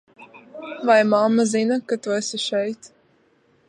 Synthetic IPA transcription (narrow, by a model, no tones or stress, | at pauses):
vajmamazinakat̪uɛsiʃɛjt̪